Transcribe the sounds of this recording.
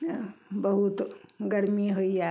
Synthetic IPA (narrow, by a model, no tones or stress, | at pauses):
bɐɦut̪ɡɐɾmiɦoia